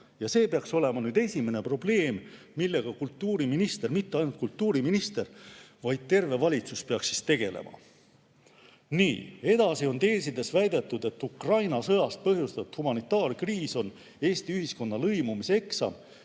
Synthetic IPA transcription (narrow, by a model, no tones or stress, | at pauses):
jɑse̞ːpeɑkso̞le̞mɑnyːd̪̥e̞sʲime̞ne̞pro̞ble̞ːmː | ilːe̞ɡ̥ɑkult̪ːuːɾiminist̪e̞rmit̪ːeɑjnult̪̚kult̪ːˑuːɾiminist̪e̞rvɑjd̪̥̚t̪e̞rve̞vɑlʲit̪suspeɑksːi̥st̪e̞ɡ̥e̞̰le̞̰mʔɑ̰ | nḭːe̞d̪̥ɑsio̞nt̪e̞ːs̬id̪e̞svæjd̪e̞t̪ːˑud̪̥e̞t̪ːˑukrɑjnɑsɤ̞jɑst̪̚pɤɦjust̪ɑt̪humɑnit̪ːˑɑːrkriːso̞n | eːst̪iyɦisko̞nːɑlɤ̞jmumise̞ksɑ̰